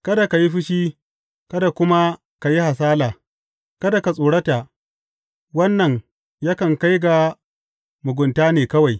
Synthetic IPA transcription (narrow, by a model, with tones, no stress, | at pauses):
kɐ˦da˨ka˨ji˦ɸɪ˦ʃiː˦ | kɐ˦da˨kʷʊ˦ma˦ | ka˨ji˦ha˨s̬aː˦laː˨ | kɐ˦da˨ka˨sʼoː˨ɽɐ˦ta˨ | wɐ˦nːɐ˨ŋ | jaː˦kɐ˨ŋka˦jɡa˨ | mʊ˨ɡʷʊ˨ntaː˦neː˨kɐ˦wa˨j